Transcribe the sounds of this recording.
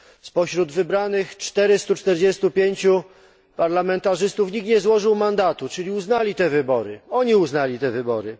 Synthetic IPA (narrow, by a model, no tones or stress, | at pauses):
spɔɕɾud̪vɘbɾanɘxt͡ʂt̪ɛɾɘst̪ut͡ʂt̪ɛɾd͡ʑɛst̪upʲjeɲt͡ɕu | paɾlamɛnt̪aʐɘst̪ufɲikɲɛzwɔʐɘwmand̪at̪ut͡ʂɘlʲiuznalʲit̪ɛvɘbɔɾɘ̰ɔɲiuznalʲit̪ɛvɘbɔɾɘ